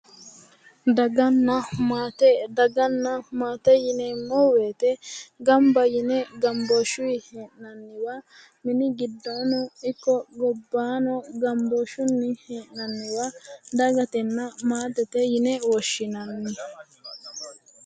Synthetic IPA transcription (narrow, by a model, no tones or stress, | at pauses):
d̪ɐɡɐnːɐmaːt̪ɛd̪ɐɡɐnːɐmaːt̪ɛjɪnɛmɔweːt̪ɛɡɐmbɐjɪnɛɡɐmboʃʊiheːʔnɐnːɪwɐ | mɪnɪɡɪd̪ːonʊɪkːɔɡɔbːaːnɔɡɐmboːʃʊnːɪheːʔnɐnːɪwɐd̪ɐɡɐt̪ɛnːɐmaːt̪ɛt̪ɛjɪnɛwɔʃːɪnanːɪ